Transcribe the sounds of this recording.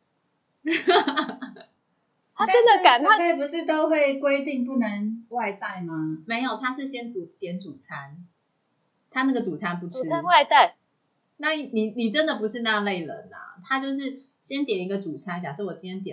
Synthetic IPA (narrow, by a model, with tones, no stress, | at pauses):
a˥ə˦nd̪ə˨ka˨˩˦na˥pʰe˥˩pu˧˦ʂɻ̩˥˧t̪o˥ʊxwe˥˩ɪkwe˥ɪt̪i˥˧ŋp̬u˥˩nə˧˦ŋwa˥˧ɪt̪a˥˩ɪma˩me˧˥ɪjo˨˩ʊt̪ʰa˥ʂɻ̩˥˩ɕjɛ˥nt̪u˧˥t̪jɛ˨˧˥nʈ͡ʂu˨˩t͡sʰa˥n | t̪ʰa˥na˥˩ɡə˨˩ʈ͡ʂu˨˩t͡sʰa˥npu˧˥u˨˩˥a˦nwa˥˧ɪt̪a˥˩ɪ | na˥˩i˨˩ni˨˩ni˨˩ʈ͡ʂə˦nd̪ə˨˩pu˨˦ʂɻ̩˥˧na˥˧le˥˩ɪɻə̰˧˦nɐ̰˨˩t̪ʰa˥t͡ɕjo˥˧ʊʂ̬ɻ̩˥˩ | ɕjɛ˥nt̪jɛ˨˩ni˧˥ɡə˧ʈ͡ʂu˨˩t͡sʰa˥nt͡ɕja˨˩ʂ̩˥˩wɔ˨˩t͡ɕi˥njɛ˥nt̪jɛ˨˩